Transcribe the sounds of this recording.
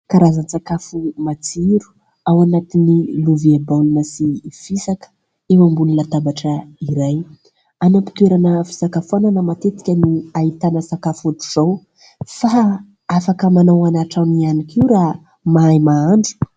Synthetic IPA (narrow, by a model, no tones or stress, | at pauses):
kaɾazant͡sakafumat͡siɾu̥ | awanat̪iniluviabawlunəsifisakə̥ | ewambununat̪abaʈ͡ʂəiɾaj | anapi̥t̪weɾanəfi̥sakafananəmat̪et̪i̥kʲəniait̪anəsakafat̪u̥z̥aw | fa | afakəmanawanaʈ͡ʂamianikiwɾa | maajmaaɳɖ͡ʐu̥